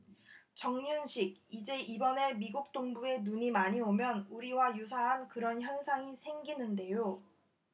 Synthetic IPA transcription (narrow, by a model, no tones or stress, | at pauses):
t͡ɕʌŋɲunɕʰiɡ̚id͡ʑe̞ʔibʌne̞miɡuk̚t͈oŋbue̞nuɲimaɲiomjʌnuɾiwajus̬ʰaɦankɯɾʌnçjʌnsʰaŋisʰe̞ŋɡinɯnde̞jo